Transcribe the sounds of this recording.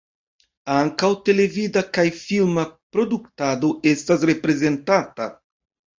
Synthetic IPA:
aŋkawte̞le̞vidakajfilmapɾo̞duktadoe̞stas̬ɾe̞pɾe̞ze̞ntata

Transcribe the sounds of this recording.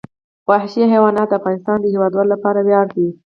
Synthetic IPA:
wahʃeɦawɑnat̪afɣɑnɪst̪ɑnd̪əhɪwɑd̪wɑlolapɑɾabjɑɾt̪i

